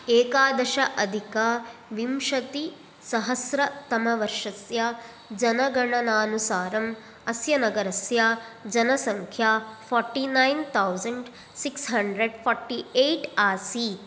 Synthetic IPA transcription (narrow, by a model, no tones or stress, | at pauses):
eːkaːd̪ɐʃɐʔɐd̪ʱikaːʋimʃɐt̪i | sɐɦɐsɾɐt̪ɐmɐʋɐɾʂɐsja | d͡ʒɐnɐɡɐɳɐnaːnusaːɾɐm | ɐsjɐnɐɡɐɾɐsjaːd͡ʒɐnɐsɐŋkʰjaːfʰɔɾʈːinajnt̪ʰɐwzɐɳɖ | siksɦɐɳɖɾeɖfʰɔːɾʈːiejʈaːsi